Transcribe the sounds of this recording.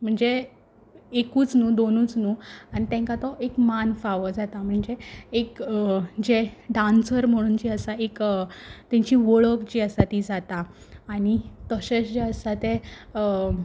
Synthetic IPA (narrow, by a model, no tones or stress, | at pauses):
m̤əɳd͡ze | ekuːt͡snuːd̪onuːt͡snuːañit̪ɛ̃ŋkat̪ɔʔekmanfaʋəd͡zat̪am̤əɳd͡zeːkd͡ʑeɖãnsəɾm̤əɽ̃uːnd͡ʑiəsaekt̪ɛ̃ɲt͡ɕiʋəɭəkd͡ʑiəsat̪id͡zat̪aː | ɽ̃it̪əɕesd͡ʑeəsat̪e